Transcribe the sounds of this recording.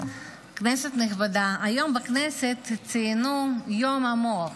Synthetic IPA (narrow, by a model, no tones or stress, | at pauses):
kneset̪niχbad̪aajo̞mbakneset̪t͡sinujomamo